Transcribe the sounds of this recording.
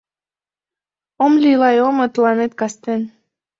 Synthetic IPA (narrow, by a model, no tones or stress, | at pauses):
omlʲilɑjomə̆t̪lɑnet̪kɑst̪en